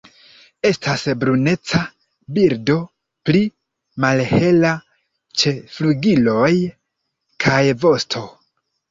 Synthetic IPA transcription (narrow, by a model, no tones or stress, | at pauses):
e̞stʰasbɾune̞t͡sa | biɾdo̞ | pli | malhe̞la | t͡ʃe̞fluɡilo̞j | kʰajvo̞stʰo̞